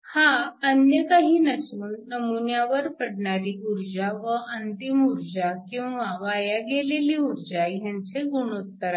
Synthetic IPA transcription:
hãənjəkaɦiːnəsuːnːəmunjaʋəɾpəɽɳaɾiːuɾd͡ʑaʋəʔənt̪imuɾd͡ʑakĩw̃ʋaʋajaɡeleliːuɾd͡ʑajãnt͡seɡunot̪ːəɾa

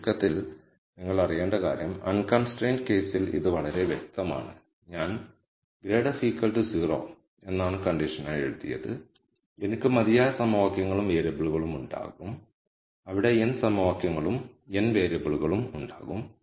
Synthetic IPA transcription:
kːɐt̪ːil | niŋːɐɭɐrijeːɳɖɐkaːɾjɐmɐ̰nkɐnsʈreːnɖɨke̞ːsilḭðɨʋɐɭɐɾe̞ʋjek̚t̪ɐma̰ːɳɨ̰ | ɲaːn | ɡɾe̞ːɽɐfiːkːɐlʈɨsiːro̰ː | e̞nːaːɳɨkɐɳɖiʂɐnaːjeɻut̪ːḭjɐ̰ðɨ | enikʲːɨmɐðijaːjɐsɐmɐʋaːkjɐŋːɐɭumʋeːɾebɐɭuɣɐɭumuɳɖa̰ːɣum | ɐʋiɽe̞ensɐmɐʋaːkjɐŋːɐɭumenʋe̞ːɾebɐɭuɣɐɭumuɳɖa̰ːɣum

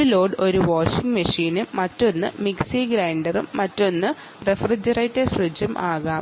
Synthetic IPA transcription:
lo̞ːɖo̞ɾuʋoːʂiŋɡmɐʂiːnɨːɐtːo̞nːɨ̰miksiɡɾaːɳɖɐrumːɐtːo̞nːɨ | refrid͡ʑɐrɐjtːesrɨd͡ʑɐmʔaːɣɐ

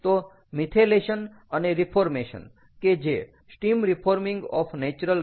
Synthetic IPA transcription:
t̪o | mit̪ʰeleʃən | əneɾipʰoɾmeʃə̰n | ked͡ʒe | sʈimɾipʰoɾmĩŋɡɔ̰fʰnet͡ʃɾəl

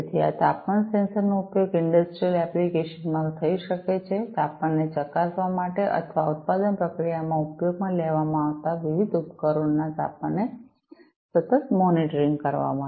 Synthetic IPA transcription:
et̪ʰia̰t̪apmansɛnsəɾnoupjoɡɪɳɖəsʈɾijəlɛplikeʃənmãŋt̪ʰəiʃəket͡ʃʰet̪apmanːet͡ʃəkasʋamaʈeʔə̰t̪ʰʋaut̪̚pad̪ənpɾəkɾijamãupjoɡ̚mãleʋamãaʋt̪aʋiʋid̪upkəɾoɳnat̪a̰pane | sət̪ət̪mɔniʈəɾiŋɡkəɾʋa̰mã

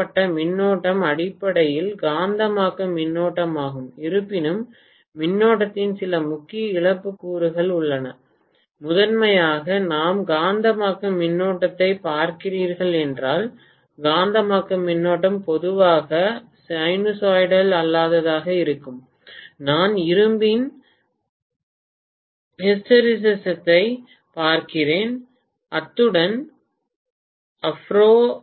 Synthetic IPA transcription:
ɐʈːɐmɪnːoːʈːɐmɐɽɪpːɐɽɐjɪlɡaːnd̪ɐmaːkɯmːɪnːoːʈːɐmaːɣɯmɪɾɯpːɪnɯmː | ɪnːoːʈːɐt̪ːɪnsɪlɐmʊkːɪjɐɪɭɐpːɯkːuːɾɯɣɐɭʊɭːɐnɐ | mʊðɐnmɐjaːɣɐnaːmɡaːnd̪ɐmaːkɯmːɪnːoːʈːɐt̪ːɐɪpaːɾkɪriːɾɣɐɭɛndraːl | ɡaːnd̪ɐmaːkːɐmːɪnːoːʈ̬ːɐmpɔðɯʋaːɣɐ | sɐɪnʊsaːjɽɐlɐlːaːðɐðaːɣɐɪɾɯkːɯm | naːnɪɾɯmbɪn | hɪsʈɐɾɪs̬ɛsɐt̪ːɐɪ | paːɾkɪreːn | ʔɐt̪ːɯɽɐn | ɐfɾoː

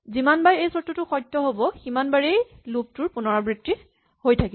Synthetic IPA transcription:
zimanbajejsɔtːutʊxɔjtːɔɦobɔximanbaɹejlup̚tʊɹpʊnɔɹabɹitːi | hojtʰaki

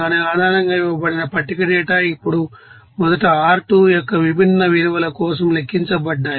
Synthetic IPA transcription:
aːneaːd̪ʱaːnɐŋɡaːiʋɐbɐɽinɐpɐʈːikɐʈɛːʈaːipːuɽu | mɔd̪ɐʈɐaːɾʈujɔkːɐʋibʱinːɐʋiɾiʋɐlɐkɔːsɐmle̞kːiɲt͡ʃɐbɐɖːaː

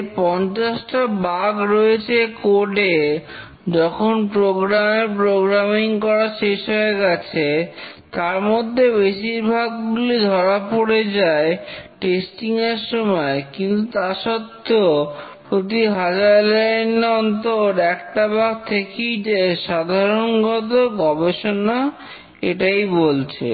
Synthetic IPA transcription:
pɔnt͡ɕasʈabaɡɾɔet͡ɕʰekoʈe | d͡ʑɔkʰonpɾoɡɾamepɾoɡɾamiŋkɔɾaʃeʃɦɔeɾɡɛt͡ɕʰe | t̪aɾmod̪ʱːebeʃiɾbʱaɡːulid̪ʱɔɾapoɽed͡ʑaeʈesʈiŋeɾʃɔmɔekint̪ut̪aʃɔt̪ʰːeo | pɾot̪̬iɦad͡ʑaɾlanɔnt̪oɾɛkʈabʱaɡ̚t̪ʰekijd͡ʑeʃad̪ʱaɾonɡɔt̪̬oɡɔbeʃona | eʈajbolt͡ɕʰḛ

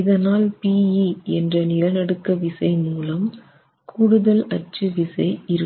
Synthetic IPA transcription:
ɪðɐnaːlpiːiɛndrɐnɪlɐnɐɽɯkːɐʋɪsɐɪmuːlɐm | kʰuɽɯðɐlɐt͡ʃːɯʋɪsɐɪɪɾɯ

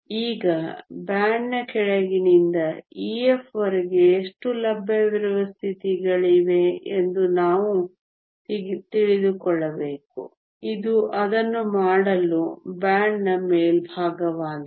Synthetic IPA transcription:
iːɡɐbaːɳnɐkɛɭeɡinind̪ɐiːefɐɾiɡeːʂʈulɐbːɐʋɐɾɐʋɐst̪ʰit̪iɡɐɭiʋeend̪unaːʋu | t̪iɭid̪ukɔɭːɐbeːkṵ | id̪uʔɐd̪ɐnːumaːɽɐlubaːɳnɐmeːlbʱaːɡɐʋaːn

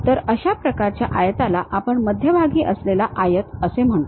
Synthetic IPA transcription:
t̪əɾəɕapɾəkaɾt͡ɕja̰ʔajət̪alaʔapəɳməd̪ʱjəbʱaɡiːʔəslelaʔajət̪əsem̤əɳt̪

